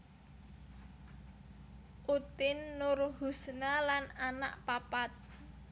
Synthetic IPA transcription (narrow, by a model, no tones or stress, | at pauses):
ʔut̪ɪnːʊrhusnalananaʔpapat̪̚